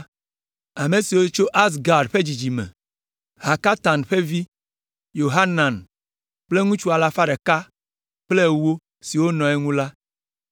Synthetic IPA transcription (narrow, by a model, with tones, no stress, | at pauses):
a˨me˨si˨wo˦t͡ʃo˦ʔa˦s̬ɡa˨ɾɖɸe˦d͡ʑi˨d͡ʒi˨mḛ̃˨ | ɦa˨ka˦t̪a˨nɸe˦vi˦ | jo˨ɦa˦nã˨n | k͡ple˦ŋũ˦t͡ʃu˦a˨la˦fa˦ɖe˨ka˦ | k͡ple˦wo˦ | si˨wo˦nɔ̃˨e˦ŋũ˦la˦